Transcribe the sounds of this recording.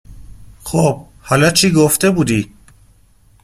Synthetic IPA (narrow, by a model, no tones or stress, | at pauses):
xob̥̚ | hɒlɒt͡ʃʰiːɡoft̪e̞buːd̪iː